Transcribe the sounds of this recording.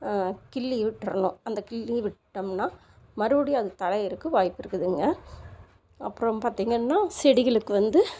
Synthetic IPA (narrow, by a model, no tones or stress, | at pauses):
kɪɭːiʋɪʈːɾɐnʊ̃ɐnd̪ɐkɪɭːiʋɪʈːɐmnaː | mɐɾɯʋɐɽɪjaːɐðɯt̪ɐɭɐɪɪɾɯkːɯʋaːjpːɪɾɯkːɯðɯŋɡɐ | ɐpːɯɾõpaːɾt̪iːŋɡɐnːaːsɛɽɪɣɐɭɯkːɯʋɐnd̪ɯ